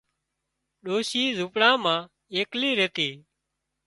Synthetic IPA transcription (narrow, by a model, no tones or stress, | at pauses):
ɗoːʃiːzupɽãːmãː | eːkliːɾeːt̪iː